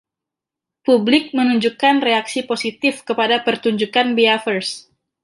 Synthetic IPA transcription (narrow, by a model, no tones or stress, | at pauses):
publɪk̚mənuɲd͡ʒukanreaksiposit̪ɪfkəpadapərt̪uɲd͡ʒukanbiafərs